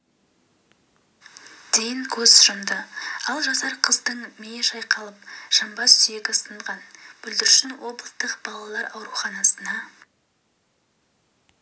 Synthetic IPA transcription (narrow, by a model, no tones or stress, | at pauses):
d̪̥e̞jɪŋkʲʰɵzsʊɾəmd̪əɑlˠʒɑsɑɾqʰəzd̪əɴmejeʃɑjqʰɑlˠəp̚ʃɑmbɑsʏje̞ɡʲɪsəɴʁɑnb̥ʏld̪ɪɾʃɪnwo̞blˠəst̪əqb̥ɑlˠɑlˠɑɾɑwɾuχɑnɑsənɑ